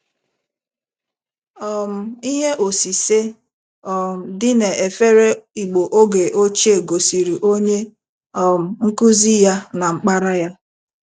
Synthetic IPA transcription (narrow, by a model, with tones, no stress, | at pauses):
ɔ˨m̩˨i˦ɦe˦ʔo˨si˨se˦ | ɔ˨m̩˨dɪ˦ne˨ʔe˨fe˦ɾe˦i˨ɡ͡bo˨ʔo˦ɡe˨ʔo˦t͡ʃe˨ɡo˨si˨ɾi˨ʔo˦ɲe˦ | ɔ˨m̩˨ŋ̩˦ku˦zi˦ja˦na˨ŋ͡m̩˦k͡pa˦ɾa˦ja˦